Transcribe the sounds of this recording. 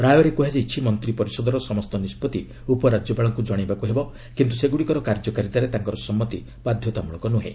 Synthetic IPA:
ɾajɔɾekuɦed͡ʒet͡ʃʰimɔnt̪ɾipɔɾisɔd̪ʱɔɾɔsɔmɔst̪ɔnispɔt̪i | upɔɾad͡ʒjɔbaɭɔŋkud͡ʒɔɽ̃ibakuɦebɔ | kint̪useɡuɽikɔɾɔkaɾd͡ʒɔkaɾit̪aɾet̪aŋkɔɾɔsɔmːɔt̪i | bad̪ʱjɔt̪amuɭ̃ɔ̃ŋkɔnuɦḛ

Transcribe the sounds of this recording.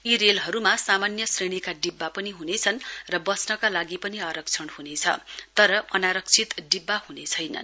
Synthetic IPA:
iɾelɦʌɾumasamanjʌsreɽ̃ikaɖibːapʌniɦunet͡sʰʌnrʌbʌsnʌkalaɡipʌniaɾʌkt͡sʰʌɽhunet͡sʰʌ̰t̪ʌɾʌʔʌnaɾʌk̚t͡sʰit̪ɖibːahunet͡sʰʌjnʌ̰n

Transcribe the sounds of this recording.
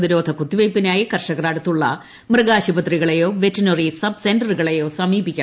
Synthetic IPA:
ðiɾo̞ːd̪ʱɐkut̪ːiʋɐjpːinaːjikɐrʂɐɣɐraːɽut̪ːuɭːɐ̰ | mrɨɣaːɕibɐt̪riɣɐɭejo̞ːʋetːɐnorisɐbsendɐrɨɣɐɭejo̞ːsɐmiːbikʲːa

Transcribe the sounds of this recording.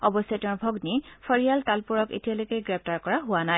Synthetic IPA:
ɔbɔsjɔtɛ̃ʊ̃bʱɔɡnipʰɔɹijaltalpuɹɔkḛtialojkejɡɹɛp̚taɹkɔɹaɦʊwanaj

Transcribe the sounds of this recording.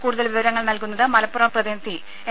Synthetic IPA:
kuːɽuðɐlʋiʋɐɾɐŋːɐɭnɐlkunːɐðɨmɐlɐpːurɐmprɐðinɐt̪ːi

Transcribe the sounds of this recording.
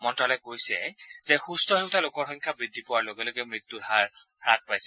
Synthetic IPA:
mɔntɹalɔkojsɛ̰z̥ɛxustʰɔɦeʊtalokɔɹxɔjŋkʰabɹidʱːipɔwaɹloɡɔloɡɛmɹit̪ːuɦaɹ | ɹak̚pajsɛ

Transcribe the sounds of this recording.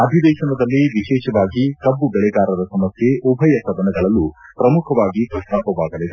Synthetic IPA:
ɐd̪ʱid̪ɛːʃɐnɐd̪ɐlːiʋiʃɛːʃɐʋaːɡikɐbːubɛɭɛɡaːɾɐd̪ɐsɐmɐsjeɔbʱɐjɐsɐd̪ɐnɐɡɐɭɐlːupɾɐmukʰɐʋaːɡikɐʂʈaːpːɐʋaːɡɐlid̪e

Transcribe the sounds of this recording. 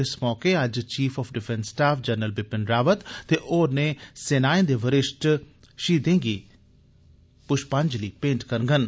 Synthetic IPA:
ɪsmɔːkeːəd͡ʒt͡ʃiːfʰɔːpʰɖɪpʰɛ̃nsːʈaːpʰd͡ʒəɾnəlbɪpɪnɾaːʋət̪ːeːʔoːɾneːsenaːẽːnd̪eːʋəɾɪʃʈ | ʃiːd̪ẽːŋɡiː | pʊʃpaɲd͡ʒliːpẽːɳʈkəɾɡən

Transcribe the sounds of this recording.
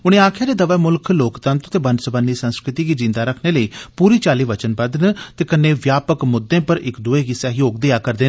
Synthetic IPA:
ʊñẽːaːkʰjaːd̪eːd̪əʋaːmʊlkʰloːkt̪ənt̪t̪eːbənsəbənːiːsənskɾɪt̪iːɡiːd͡ʒɪ̃nd̪aːɾəkʰneːləiːpuːɾiːt͡ʃaːliːʋət͡ʃənbəd̪nt̪eːkəneːʋjaːpəkmʊd̪ːẽːpəɾɪkd̪ʊeːɡɪsaːɦijoːɡd̪ɪaːkəɾd̪eːn

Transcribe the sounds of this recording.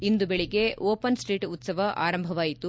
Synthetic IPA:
ind̪ubeɭiɡe̞oːpɐnsʈɾiːʈut̪sɐʋɐʔa̰ːɾɐmbʱɐʋaːjit̪u

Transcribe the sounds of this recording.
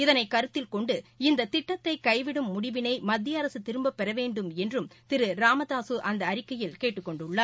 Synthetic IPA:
ɪðɐnɐɪkɐɾɯt̪ːɪlkɔɳɖɯɪnd̪ɐt̪ɪʈːɐt̪ːɐɪkɐɪʋɪɽɯmːʊɽɪʋɪnɐɪmɐd̪ːɪjɐɐɾɐsɯt̪ːɪɾɯmbɐpːɛɾɐʋeːɳɖɯmɛndrɯmt̪ɪɾɯɾaːmɐðaːsɯʔɐnd̪ɐːɾɪkːɐjɪlkeːʈːɯkːɔɳɖɯɭːɐː

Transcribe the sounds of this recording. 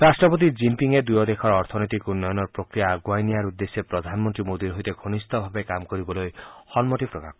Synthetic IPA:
ɾasʈɾɔpɔt̪̬id͡ʒimpiŋed̪ujɔd̪ekʰɔɾɔɾt̪ʰɔnɔt̪ikunːɔjɔnɔɾpɾɔkɾijaɡwajnijaɾud̪ːesjepɾɔd̪ʱanmɔnt̪ɾimod̪iɾɦojt̪eɡʱonist̪ɔbʱabekamkɔɾibɔlojhɔnmoʈibpɾɔka̰k

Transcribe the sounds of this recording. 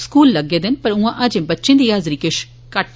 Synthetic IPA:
skuːlːɐɡeːd̪ɪnpɐɾũãːʔɐd͡ʒ̃bɐtːʃẽnd̪iaːzɾiːkɪʃ | kɐʈ

